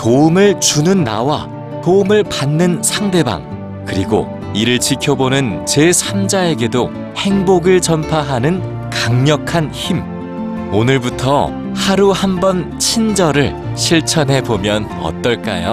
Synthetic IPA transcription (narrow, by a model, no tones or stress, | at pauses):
toumɯɭt͡ɕunɯnːa̰wa̰ | toumɯɭpanːɯnsʰaŋde̞ba̰ŋ | kɯɾiɡo̰ | iɾɯɭt͡ɕikʰjʌbonɯnt͡ɕe̞sʰamd͡ʑae̞ɡe̞do | he̞ŋboɡɯɭt͡ɕʌmpʰaɦanɯn | kaŋɲʌkʰançim | onɯɭbutʰʌ̰ | haɾuhambʌnt͡ɕʰind͡ʑʌɾɯɭ | ɕʰiɭt͡ɕʰʌnɦe̞bomjʌn | ʌ̰t͈ʌɭk͈a̰jo